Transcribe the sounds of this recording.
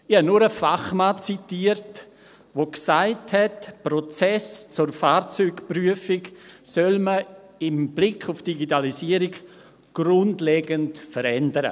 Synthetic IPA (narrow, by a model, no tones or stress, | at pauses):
ihanʊɾəfaχmaːt͡sitiəɾt | ʋoksaɪthɛtpɾɔt͡sɛst͡sʊɾfaːɾt͡syːɡpryəfiksœlmə | ɪmb̥lɪkʰʊfd̥iɡitalisiəɾiɡ | ɡ̥ɾʊndleːɡəntfəɾɛndəɾə̰